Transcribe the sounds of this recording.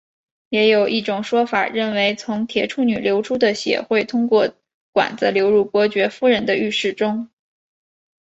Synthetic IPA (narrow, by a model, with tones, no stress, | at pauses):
jɛ˧˥jo˨˩ʊʔi˥˩ʈ͡ʂʊ˨˩ŋʂwɔ˥fa̰˨˩ɻə˥˩nwe˧˥ɪt͡sʰʊ˧˥ŋt̪ʰjɛ˧˥ʈ͡ʂʰu˥˩ny˨˩ljo˧˥ʊʈ͡ʂʰu˥d̪ə˨ɕjɛ̰˧˥xwe˥˩ɪt̪ʰʊ˥ŋkwɔ˥˩ | kwa̰˨˩nd͡zə˦˥ljo˧˥ʊɻu˥˩kwɔ˧˥t͡ɕɥɛ˧˥fu˥˧ɻə˧˥nd̪ə˧y˥˧ʂɻ̩˥˩ʈ͡ʂʊ˥ŋ